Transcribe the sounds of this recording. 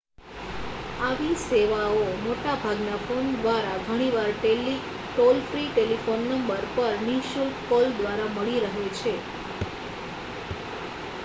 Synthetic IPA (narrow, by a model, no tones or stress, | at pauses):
aʋiseʋaomoʈabʱaɡnafond̪ʋaɾaɡʱəɽ̃iʋaɾʈelːi | ʈolfɾiʈelifonːəmbəɾpəɾniʃulkold̪ʋaɾaməɭiɾəɦet͡ʃʰe